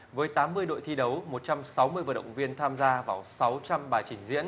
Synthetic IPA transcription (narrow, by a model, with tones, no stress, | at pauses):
vəː˨˦jt̪aː˨˦mːɨ˧əjɗo̰˧˨jt̪ʰi˧ɗə˨˦wmo˨˩t̚t͡ɕa˧msa˨˦wmɨ˧əjvəː˨˩ɗə̰˧˨wŋ͡mvi˧ənt̪ʰaː˧mzaː˧vaː˧˩wsa˨˦wt͡ɕa˧mɓaː˨˩jt͡ɕï˧˩ŋ̟zḭ˧˥ən